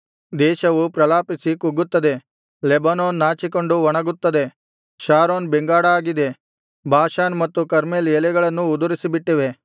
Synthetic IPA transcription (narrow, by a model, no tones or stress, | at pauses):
d̪ɛːʃɐʋupɾɐlaːpisikuɡːut̪ːɐd̪e̞ | lebɐnoːnːaːt͡ʃiko̞ɳɖuʋɔɳɐɡut̪ːɐd̪e̞ | ʃaːɾoːnbeŋɡaːɽɐaːɡid̪e̞ | bʱaːʃaːnmɐt̪ːukɐɾmeːljɛlɛɡɐɭɐnːuːd̪uɾisibiʈːiʋe̞